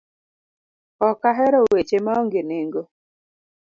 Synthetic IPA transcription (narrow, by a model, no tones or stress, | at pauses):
ɔkaɦɛɾɔwet͡ʃemaɔŋɡeneŋɡo